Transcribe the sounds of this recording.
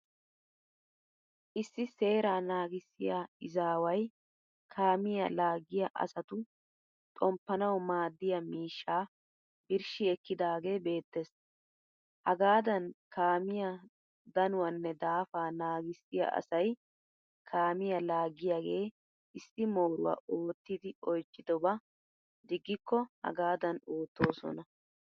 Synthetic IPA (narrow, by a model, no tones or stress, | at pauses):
ʔɪsːɪse̞ːɾaːnaːɡɪsːɪjaɪzaːwɐj | kʰaːmɪjɐlaːɡɪjɐʔɐ̰sɐt̪ʊ | t̪ʼɔmpːɐnɐwmaːd̪ːɪjɐmiːʃːaː | ʔɪɾʃɪɛkːɪd̪aːɡe̞ːbe̞ːt̪ːes | hɐɡaːd̪ɐnkaːmɪja | d̪ɐnʊwɐnːɛd̪aːfaːnaːɡɪsːɪjɐ̰ʔɐ̰sɐj | kʰaːmɪjɐlaːɡɪjaːɡe̞ː | ɪsːɪmo̞ːɾʊwɐ̰ʔoːt̪ːɪd̪ɪɔjt͡ʃːɪd̪ɔbɐ | d̪ɪɡːɪkːɔhɐ̰ɡaːd̪ɐnoːt̪ːoːsɔ̰nɐ